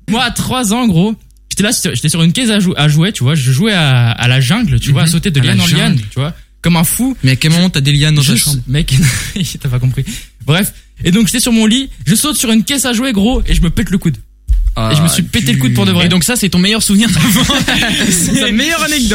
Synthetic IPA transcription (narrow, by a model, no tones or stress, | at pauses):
mwaːt̪χwazɑ̃ːɡʁo | ʒ̥et̪ɛlasesʒet̪ɛsyʁynkʲɛsaʒuʔaʒwet̪yvwaʒəʒwɛaa̰laʒɛ̃ɡlt̪yvwasot̪ed̪əljanɑ̃jant̪yvwakɔmɛ̃fumɛakʲɛlmɔmɑ̃t̪ad̪eljañãmɛkɛnt̪yapakɔ̃pχibʁɛfed̪ɔ̃kʒet̪ɛsyʁmɔ̃liʒəsot̪syʁynkʲɛsaʒuweɡʁoeʒəməpɛt̪ləkud̪ | eʒəməsɥipet̪eləkud̪̚puʁd̪əvʁɛd̪ɔ̃ksasɛt̪ɔ̃mejœʁsuvniʁd̪avɑ̃sɛmejœʁanɛɡ̚d̪ɔ